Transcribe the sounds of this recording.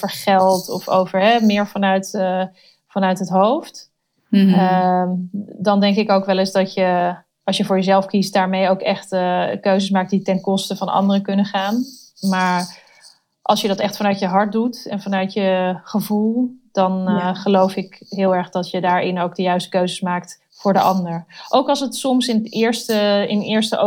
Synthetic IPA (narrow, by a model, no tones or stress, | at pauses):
fəɹχɛlˠtɔfo̰wvəɹɦɛmɪːɹvɑnœɥt | fɑnœɥtɦətɦowft | ə | dɑndɛŋkɪkowkʋɛlɪsdɑtjə | ɑlˠsjəvʊːɹjəzɛlˠfkistdaːɹmejowkɛχtəkøɥzəsmaːk̚t̚ditɛnkɔstəvɑnɑ̰ndərəkɵnəχaːn | maːɹ | ʔɑ̰lˠsjədɑtɛχtfɑnœɥtjəɦɑɹt̚dutɛ̰nvɑnœɥtjəχəvulˠd̥ɑnχəlowfɪkɦɪːlˠɛɹχdɑtjədaːɹɪnowk̚dəjœɥstə̥køɥzəsmaːk̚t | fʊːɹdəʔɑndəɹʔowkɑlˠsətsɔmsɪnətɪːɹstəɪnɪːɹstəʔo